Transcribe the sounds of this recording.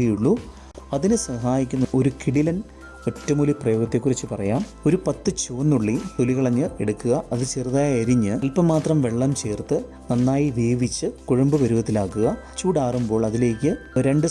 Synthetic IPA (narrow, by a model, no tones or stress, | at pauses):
ijuɭːu | ɐðinɨsɐɦaːjikʲːunːɐʔo̞ɾukiɽilɐn | o̞tːɐmuliprɐjo̞ːɣɐt̪ːe̞kːurɐt͡ɕːɨpɐrɐjaːm | o̞ɾupɐt̪ːɨt͡ɕoːnːuɭːit̪oliɣɐɭɐɲːɨe̞ɽukːuɣɐɐðɨt͡ɕeːrðaːjeɐɾiɲːɨɐlpɐmːaːt̪rɐmʋe̞ɭːɐmt͡ɕe̞ːrt̪ɨ | nɐnːaːjiʋeːʋit͡ɕːɨkuɻɐmbɨʋɐɾuʋɐt̪ːilaːkːuɣɐ | t͡ɕuːɽaːrumbo̞ːɭɐðile̞ːkʲːɨoɾe̞ɳɖɨ